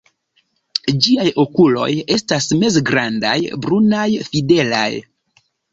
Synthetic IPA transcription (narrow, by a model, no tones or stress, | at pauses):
d͡ʒiajo̞kulo̞̰je̞stasme̞zɡɾanda̰jbɾunajfide̞la̰j